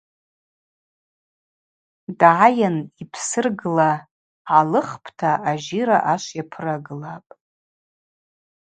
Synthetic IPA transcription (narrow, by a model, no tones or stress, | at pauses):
dʕajanipʰsɨrɡɨla | ʕalɨχpʰtʰaaʒiɾaʔaʃʷjapʰɨraɡɨlapʼ